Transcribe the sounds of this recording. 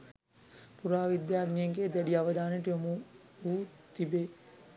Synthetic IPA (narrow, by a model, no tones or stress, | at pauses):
puɾaːʋid̪jaːɡnjeŋkeːd̪ɐɖijaʋɐd̪aːneʈijomu | ɦuːt̪ibe